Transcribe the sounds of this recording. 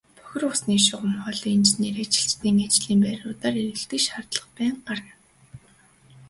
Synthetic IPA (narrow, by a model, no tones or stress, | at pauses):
pʰɔ̥xʲɪ̆rʊsniːʃʊʁə̆mχɔɮint͡ɕneːrat͡ɕɪ̥̆ɬt͡ɕt̪iːŋat͡ɕɮiːmpæːɾʊːt̪aːɾeɾɘ̆ɬt̪ɘ̆kʃχart̪ɮə̆χpæːɴɢarə̆n